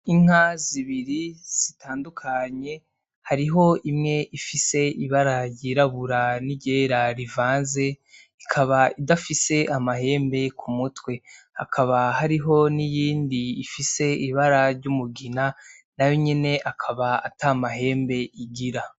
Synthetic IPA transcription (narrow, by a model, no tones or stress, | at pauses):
iŋ̥haziβiɾiz̥itaːndukʰaɲe̞ | haɾiɦo̞imŋe̞ʔifise̞ʔiβaɾajiːɾaβuɾaniɟeɾaɾivaːnze̞ | ikʰaβaidafise̞ʔamaɦe̞ːmbe̞kʰumutwe̞ha̰kʰaβaɦaɾiɦo̞nijiːndiːfise̞iβaɾaɾɟumuɡina | najo̞ɲene̞ʔakʰaβaːtaːmaɦe̞ːmbe̞iɡiɾa